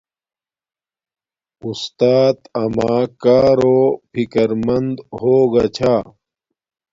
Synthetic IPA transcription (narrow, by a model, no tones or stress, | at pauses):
ust̪aːt̪ɐmaːkaːɾoːpʰikɐɾmɐnd̪hoːɡat͡ɕʰaː